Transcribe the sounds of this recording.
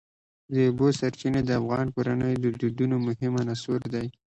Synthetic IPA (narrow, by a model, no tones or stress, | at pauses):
d̪əʊbosaɾt͡ʃined̪əafɣɑnkoɾanəjod̪əd̪id̪unomʊhɪmanasuɾd̪aj